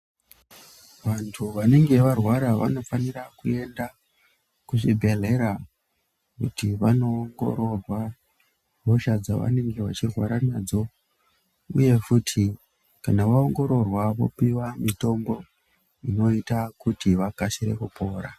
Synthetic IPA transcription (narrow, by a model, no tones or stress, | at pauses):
ʋantʰuʋane̞ŋɡe̞ʋarwaɾaʋa̰no̞fanirakue̞nda | kuʐibʱe̞ɮe̞ɾa | kṵtiʋano̞ːŋɡo̞̰ɾo̞rwa | ʋoʃad͡zaʋa̰ne̞ŋɡe̞ʋa̰t͡ʃirwaɾanaːd͡zo̞ | ṵje̞futʰi | kanaʋaoŋɡo̞ɾo̞rwaʋo̞̰piwamito̞mbo̞ | ino̞itakutiʋakaʃiɾe̞̰kupʰo̞ːɾa